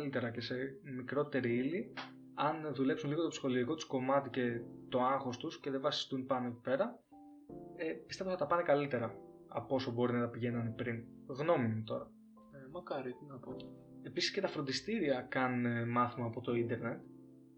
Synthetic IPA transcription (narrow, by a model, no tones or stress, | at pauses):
lit̪e̞ɾɐce̞se̞mikɾo̞t̪e̞ɾiili | ɐnðule̞psunliɣo̞t̪o̞psi̥xo̞liiko̞t̪u̥sko̞mɐt̪ice̞t̪o̞ɐŋxo̞st̪usce̞ðevɐsi̥st̪unpɐnoeci̥pe̞ɾɐ | epist̪evosθɐt̪ɐpɐnekɐlit̪e̞ɾɐ | ɐpo̞sobo̞ɾinɐt̪ɐpiʝe̞nɐnipɾin | ɣno̞mimut̪o̞̰ɾɐ | mɐkɐɾinɐpo | e̞pisi̥sce̞t̪ɐfɾo̞nd̪ist̪iɾiɐkɐnmɐθimɐːpo̞t̪o̞ind̪e̞ɾne̞t̪